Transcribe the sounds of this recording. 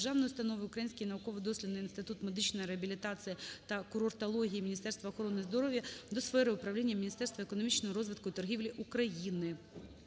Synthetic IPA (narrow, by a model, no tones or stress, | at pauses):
ʐavnjʊst̪ɐnovɪʊkɾɐjinʲsʲkʲɪjnɐʊkovɨd̪osʲlʲɪnːɨjiɪnst̪ɪt̪ut̪mɛd̪ɨt͡ɕnɐjɾɛɐbʲɪlʲɪt̪at̪sɨjɪt̪ɐkʊɾort̪ɐlˠoɦʲiimʲɪnʲɪst̪ɛrst̪ʋɐxɔɾonɨzd̪ɔɾovʲjɐd̪osfɛɾɨʊpɾɐvlʲenʲjɐmʲɪnʲɪst̪ɛrst̪vɐɛkonɐmʲit͡ɕnɔmʊɾozʋɨt̪kʊt̪ɐrɦʲivlʲiʔʊkɾɐjinɪ